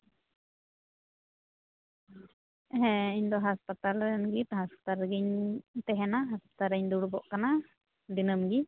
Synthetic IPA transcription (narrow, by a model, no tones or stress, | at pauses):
ɛɦɛ̃iɲd̪ɔɦaspat̪alɾɛnɡit̪haspḁt̪alɡiɲt̪ɛɦɛnaɦaspḁt̪aɾɛɲd̪uɽbɔʔkana | d̪inəmɡi